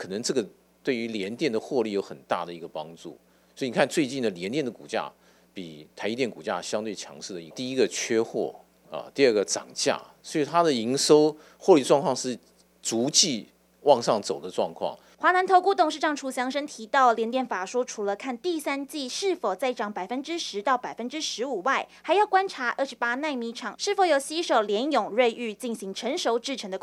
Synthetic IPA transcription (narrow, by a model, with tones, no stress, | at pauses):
kʰɤ˨˩nə˧˦ŋʈ͡ʂɤ˥˩ɡə˩ | t̪we˥˩ɪy˧˥ljɛ˧˥nt̪jɛ˥˩nd̪ə˩xwɔ˥˧li˥˩jo˧˥ʊxə˨˩nt̪a̰˥˩d̪ə˩i˧˥ɡə˧pɑ˥ŋʈ͡ʂṵ˥˩ | sɔ˧˥i˨ni˨˩kʰa˥˧nt͡swe˥˧ɪt͡ɕi˥˩nd̪ə˩ljɛ˧˥nt̪jɛ˥˩nd̪ə˩ku˨˩t͡ɕja̰˥˧ | pi˨˩t̪ʰa˧˥ɪ˥t̪jɛ˥˩nku˨˩t͡ɕja̰˥˧ɕjɑ˥ŋt̪we˥˩ɪt͡ɕʰjɑ̰˧˥ŋʂɻ̩˥˩ə˩i˧˥t̪i˥˧i˥ɡə˨t͡ɕʰɥɛ˥xwɔ̰˥˩ | ɐ̰˨t̪i˥˧ə˥˩ɡə˩ʈ͡ʂɑ̰˨˩ŋt͡ɕja̰˥˩swɔ˧˥i˨˩t̪ʰa˥d̪ə˨i˧˥ŋʂo˥ʊ | xwɔ˥˧li˥˩ʈ͡ʂwɑ˥˧ŋkʰɑ˥˧ŋʂɻ̩˥˩ | t͡su˧˥t͡ɕi˥˧ | wɑ˥˧ŋʂɑ˥˩ŋt͡so˨˩ʊd̪ə˦ʈ͡ʂwɑ̰˥˧ŋkʰwɑ̰˥˩ŋ | xwa˧˥na˧˥nt̪ʰo˧˥ʊku˥t̪ʊ˨˩ŋʂɻ̩˥˩ʈ͡ʂɑ˨˩ŋʈ͡ʂʰu˧˥˩ɕjɑ˧˥ŋʂə˥ŋt̪ʰi˧˥t̪ɑ˥˩ʊljɛ˧˥nt̪jɛ˥˩nfa˨˩ʂu˥ʈ͡ʂʰu˨˩lə˧kʰa˥˧nt̪i˥˨˩sa˥nt͡ɕi˥˧ʂɻ̩˥˩fo˨˩ʊt͡sa˥˩ɪʈ͡ʂɑ˨˩˦ŋpa˨˩ɪfə˦˥nʈ͡ʂɻ̩˥ʂɻ̩˧˥t̪ɑ˥˩ʊpa˨˩ɪfə˥nʈ͡ʂɻ̩˥ʂɻ̩˧˥u˨˩wa˥˩ɪhxa˧˥ɪjɑ˥˩ʊkwa˥nʈ͡ʂʰa˧˥ʔə˥˩ʂɻpa˥na˥˧ɪmi˧˥ʈ͡ʂʰɑ˨˩ŋʂɻ̩˥˩fo˧˥ʊjo˨˩ʊɕi˥ʂo˨˩ʊljɛ˧˥njʊ˨˩ŋɻwe˥˧ɪʔy˥˧t͡ɕi˥˩nɕi˧˥ŋʈ͡ʂʰə˧˦ŋʂo˧˥ʊʈ͡ʂɻ̩˥˩ʈ͡ʂʰə˧˥ŋd̪ə˧kʰ